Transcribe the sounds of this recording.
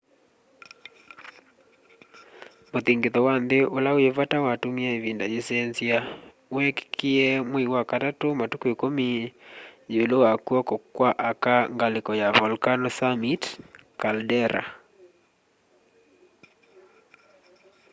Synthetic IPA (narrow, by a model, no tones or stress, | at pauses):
moθiŋɡeðɔwanðeʔolaoevatawatumiaevindad͡ʒesɛnzia | wɛkkʰiɛmwiwakatatomatukuekomi | julowakuɔkɔkwaʔakaŋɡalɪkɔjaβɔlkanɔsamitkaldɛɾa̰